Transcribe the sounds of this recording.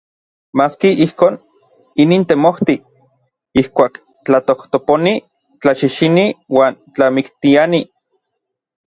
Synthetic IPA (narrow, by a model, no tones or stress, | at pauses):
maːskiihkoːn | iniːnt̪emoht̪i | ihkʷaːk | t͡ɬat̪oht̪oponi | t͡ɬaʃiʃiniwaːnt͡ɬamikt̪iani